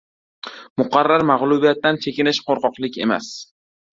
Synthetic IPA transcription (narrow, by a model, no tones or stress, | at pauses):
mʊqʰɑɾːaɾmaʁlˠʊbijat̪ːant͡ʃʰe̞kʲɪnɪʃqʰoɾqɒqlˠɪkʲe̞̰ma̰s